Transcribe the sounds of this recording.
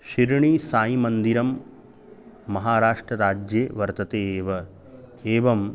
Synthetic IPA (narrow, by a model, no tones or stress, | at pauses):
ʃiɾɳiːsaːjimɐnd̪iɾɐm | ɐɦaːɾaːʂʈɾɐɾaːd͡ʒjeːʋɐɾt̪ɐt̪eːeːʋɐ | eːʋɐm